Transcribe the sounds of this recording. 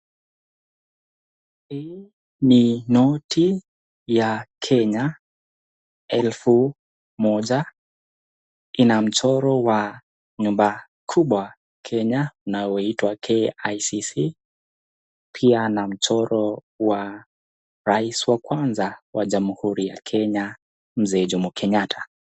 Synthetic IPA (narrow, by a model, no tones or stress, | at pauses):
hiː | ninɔtʰi | jakʰɛɲa | ɛlfu | mɔʄa | inam̩t͡ʃɔɾɔwa | ɲumba | kʰuɓwa | kʰɛɲaunajɔitwakʰɛajsisi | pʰianam̩t͡ʃɔɾɔ | wa | ɾaisiwakwanzawaʄamhuɾijakʰɛɲa | m̩zɛʄumukʰɛɲatʰḁ